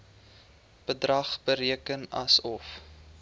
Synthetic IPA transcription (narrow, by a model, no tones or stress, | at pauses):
b̥ədrɐχbəɾiəkənɐsɔf